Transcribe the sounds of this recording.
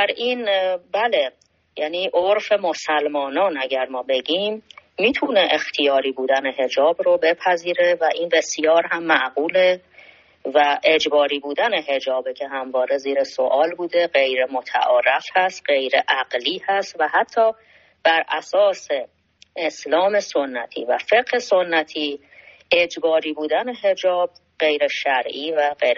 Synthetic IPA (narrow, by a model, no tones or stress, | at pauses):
æɾiːnbæle̞ | jæːniːʔoɾfe̞mo̞sælmɒːnɒːnæɟæɾmɒːbe̞ɟimːiːt̪ʰuneʔext̪ʰijɒːɾiːbuːd̪æne̞ɦe̞d͡ʒɒːbrobe̞pʰæziːɾe̞væʔiːnbe̞sjɒːɾɦæmːæʔɢuːle̞ | væʔe̞d͡ʒbɒːɾiːbuːd̪æne̞ɦe̞d͡ʒɒːbecʰe̞ɦæmvɒːɾe̞ziːɾeso̞ʔɒːlbuːd̪e̞ɢe̞jɾemot̪ʰæ̰ʔɒːɾæfhæst̪ɢe̞jɾeʔæɢliːhæst̪væhæt̪ʰːɒː | b̥æɾʔæsɒːse̞ | ʔeslɒːme̞so̞nːæt̪ʰḭːvæ̰fe̞ɢhe̞so̞nːæt̪ʰiː | e̞d͡ʒbɒːɾiːbuːd̪æne̞ɦe̞d͡ʒɒːb̚ | ɢ̥e̞jɾeʃæɾʔiːvæɢeɾ